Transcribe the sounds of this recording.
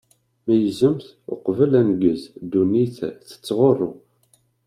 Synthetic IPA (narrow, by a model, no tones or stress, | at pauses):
mæjəzəmθ | ʊ̰qvəlænɡəzd̪ːuniθθə̥t͡sːʁorˤːʊ